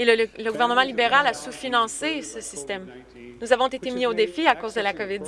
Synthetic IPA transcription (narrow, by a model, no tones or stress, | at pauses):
elələɡuvɛʁnəmɑ̃libeʁalasufinɑ̃sesəsist̪ɛm | nuzavɔ̃t̪et̪emiod̪efiakozd̪əlakɔvɪd̪